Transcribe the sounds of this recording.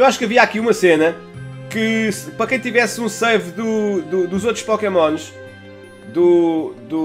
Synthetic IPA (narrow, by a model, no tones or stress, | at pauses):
waʃu̥kɐviakiumɐsenɐ | kɨpɾɐkɐ̃j̃t̪ivɛsũsɛvd̪ud̪ud̪uzot̪ɾu̥ʃpɔkɛmɔ̃nʃ | d̪ud̪u